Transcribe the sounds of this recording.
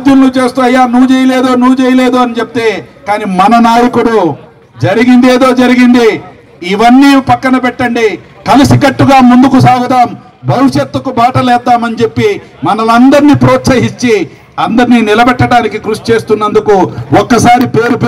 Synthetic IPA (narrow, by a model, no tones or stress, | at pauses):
d̪jɐmlut͡ʃe̞ːst̪uːɐjːaːnuʋut͡ʃɛːjɐleːd̪oːnuʋt͡ʃɛːjɐle̞ːd̪uːɐnit͡ʃep̚i̥t̪e̞ːkaːniːmɐnɐnaːjɐkuɽu | d͡ʒɐɾiɡind̪eːd̪o̞ːd͡ʒɐɾiɡind̪iː | ʋɐnːiːpɐkːɐnɐpɛʈːɐɳɖi | kɐlisikɐʈːuɡaːmund̪ukusaːɡut̪aːm | bʱɐʋiʂɐt̪ːɐkubaːʈɐlɛːd̪ːaːmɐnit͡ʃe̞pːi | mɐnɐlɐnd̪ɐɾniːpɾoːt̪sɐɦit͡ʃːi | ɐnd̪ɐɾniːnilɐbɛʈːɐɽaːnikikɾust͡ʃe̞ːst̪unːɐnd̪ukuɔkːɐsaːɾipeːɾup